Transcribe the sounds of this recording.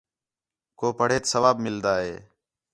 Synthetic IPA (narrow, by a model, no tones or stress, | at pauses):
koːpəɽ̤eːt̪səʋaːbmɪld̪aːɦeː